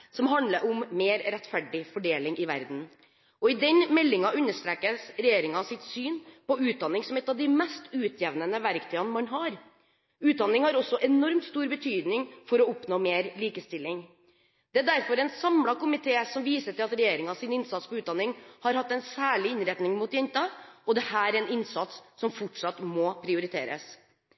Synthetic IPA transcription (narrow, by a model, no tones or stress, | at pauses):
sɔmɦɑnd̪ləɾʔʊmmeːɾɾɛt̪ːfæɖɪfɔɖeːlɪŋʔɪʋæ̰ɾd̪n̩ | ʔɔɪd̪ɛnmɛlːɪŋɑʔʉnːəʂt̪ɾeːkəsɾɛjeːɾɪŋɑsɪt̪syːnpɔʉːt̪̚d̪ɑnɪŋsɔmɛt̪ːɑʋd̪ɪmɛst̪ʰʉːt̪ʰjɛʋnənəʋæɾkt̪ʰyːɑnmɑnɦɑːɾ | ʉːt̪̚d̪ɑnːɪŋhɑɾɔsːɔʔɛnɔɾmt̪st̪uːɾbət̪ʰyːd̪nɪŋfɔɾɔɔpnoːmeːɾliːkəst̪ɪlːɪŋ | d̪̥ɛæɖ̪æɾfɔɾɛɪnsɑmlɑkʊmɪt̪ʰeːsɔmʋiːsəʈɪlɑt̪ɾɛjeːɾɪŋɑsɪnɪnsɑt̪spɔʉːt̪̚d̪ɑnɪŋhɑɾhɑt̪ːɛnsæːɭɪɪnɾɛt̪nɪŋmuːt̪jɛnt̪ɑʔɔd̪ɛhæːɾɾɛnɪnsɑt̪sːɔmfɔʈʂɑt̪mɔpʰɾɪʊɾɪt̪ʰḛːɾə̰s